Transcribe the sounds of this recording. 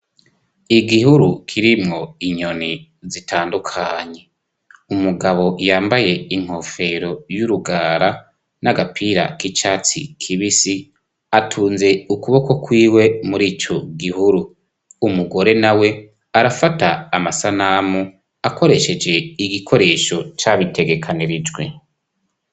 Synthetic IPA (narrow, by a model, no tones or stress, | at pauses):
iɡiɦuɾukʰiɾimŋo̞iɲo̞ni | zitʰaːndukʰaɲe̞ | umuɡaβo̞jaːmbaje̞iŋ̥ho̞fe̞ɾo̞juɾuɡaːɾa | naɡapʰiɾa̰kit͡ʃaːt͡sikʰiβisi | atʰuːnze̞ukuβo̞ko̞kwiːwe̞muɾiːt͡ʃo̞ɡihuɾu | umuɡo̞ɾe̞nawe̞ | aɾafataːmasanamu | ako̞ɾe̞ʃe̞d͡ʒe̞iɡikʰo̞ɾe̞ʃo̞t͡ʃaβite̞ɡe̞kʰaniɾid͡ʒɡwe̞